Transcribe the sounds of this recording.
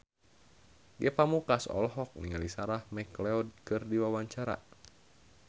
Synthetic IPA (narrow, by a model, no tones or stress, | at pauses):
ɡɛpamukasɔ̰lɦɔk̚nḭŋalisaɾahmɛklɛɔd̚kɨrdiwawaɲt͡ʃaɾa̰